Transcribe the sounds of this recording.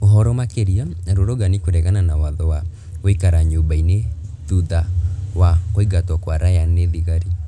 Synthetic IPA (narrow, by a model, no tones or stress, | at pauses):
oɦɔɾɔmakeɾiaaɾoɾɔɡanikoɾɛɣananawaðɔwa | wikaɾaɲobaineðuðawakoiɡatwɔkwaɾajaneðiɣaɾi